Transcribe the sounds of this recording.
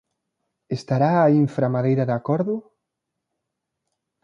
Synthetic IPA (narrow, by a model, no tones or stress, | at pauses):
est̪aɾaːiɱfɾamaðejɾɐðakɔɾðʊ